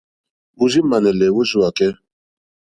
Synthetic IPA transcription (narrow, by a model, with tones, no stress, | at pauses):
wu˨zi˦ma˨nɛ˨lɛ˨wo˦zu˦wa˨kɛ˦